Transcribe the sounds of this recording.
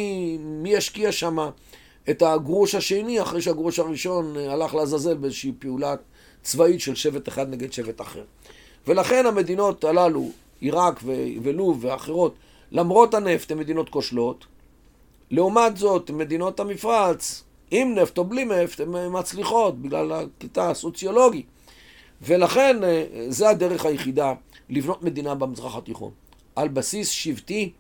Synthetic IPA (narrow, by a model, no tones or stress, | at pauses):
miaʃkiaʃama | e̞t̪aɡʁuʃhaʃe̞niaχʁejʃeaɡʁuʃaʁiʃo̞nalaχleazaze̞lbeezeʃiːpeula | t͡svaitʃe̞lʃe̞ve̞t̪eχad̪ne̞ɡed̪ʃe̞vet̪aχe̞̰ʁ | ve̞laχe̞name̞d̪ino̞t̪alalṵ | iʁakveveluveaχeʁo̞t | lamʁo̞thane̞ft̪eme̞d̪ino̞t̪ko̞ʃlo̞t̪ | le̞umatzo̞t̪me̞d̪ino̞tamifʁat͡s | imneft̪oblimeftemmːat͡sliχo̞t̚biɡla̰lakitaso̞t͡sjo̞lo̞ɡi | ve̞laχe̞nzead̪e̞ʁeχhajeχid̪a | livno̞t̪me̞d̪inabemizʁaχat̪iχo̰n | ʔalbasisʃivt̪i